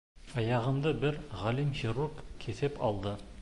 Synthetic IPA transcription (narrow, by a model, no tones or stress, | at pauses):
ɑjɑʁɤ̆md̪ɤbɘɾʁælimhʲirurkkʰeθɘpɒ̰lˠd̪ɤ